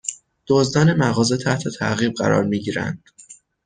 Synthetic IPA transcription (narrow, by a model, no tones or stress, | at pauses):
d̪̥ozd̪ɒːne̞mæɣɒːze̞t̪ʰæht̪ʰe̞t̪ʰæ̰ɣiːb̚ɢæ̰ɾɒ̰ːɾmiːɟiːɾæ̰nd̪̥